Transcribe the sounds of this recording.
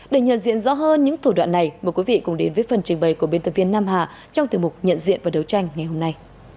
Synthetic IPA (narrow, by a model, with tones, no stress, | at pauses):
ɗe˧˩ɲə̰˧˨nzḭ˧˨ənzɔ̰˧˥ɦəː˧nɲɨ̰˧˥ŋt̪ʰu˧˩ɗwa̰ː˧˨nːa˨˩jməː˨˩jkwi˨˦vḭ˧˨kʊ˨˩ŋ͡mɗe˨˦nvəː˨˦jfə˨˩nt͡ɕï˨˩ŋ̟ɓə˨˩jku˧˩əɓe˧nt̪ʰːvi˧ənːaː˧mɦaː˨˩ | t͡ɕɔ˧wŋ͡mt̪i˨˧˩əmʊ˨˩k͡p̚ɲə̰˧˨nzḭ˧˨ənvaː˨˩ɗə˨˦wt͡ɕa˧jŋ̟ŋa˨˩jɦo˧mna˧j